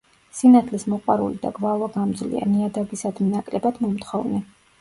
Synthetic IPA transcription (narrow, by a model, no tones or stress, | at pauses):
sinat̪ʰlismɔqʼwaɾṵlid̪a̰ɡvalˠɔɡamd̪zlḭa̰niad̪abisad̪minakʼlɛbad̪mɔmt̪χɔvnɛ